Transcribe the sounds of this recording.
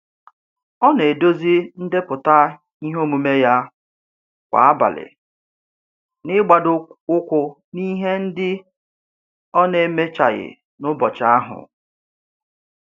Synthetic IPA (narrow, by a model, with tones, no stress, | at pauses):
ɔ˦ne˨do˦zi˦n̩˦de˦pʊ˨ta˦ | i˦ɦo˦mu˨me˦ja˦ | kʷa̰˨a˦ba̰˨lɪ̰˨ | nɪ˦ɡ͡ba˨dʊ˦ʊ˦kʷʊ˦ | ni˦ɦe˦n̩˦dɪ˦ | ɔ˦ne˨˦me˦t͡ʃa̰˨ɣɪ̰˨ | nʊ˦bɔ˨t͡ʃa˦a˦ɦʊ̰˨